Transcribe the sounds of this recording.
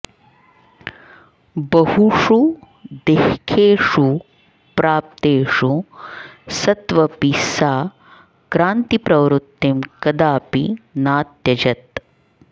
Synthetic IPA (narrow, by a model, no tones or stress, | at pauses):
bɐhuʂu | d̪ehkʰeːʂu | pɾaːp̚t̪eːʂu | sɐt̪ʋɐpisaː | kɾaːnt̪ipɾɐʋɾut̪ːimkɐd̪aːpinaːt̪jɐd͡ʒɐt̪̚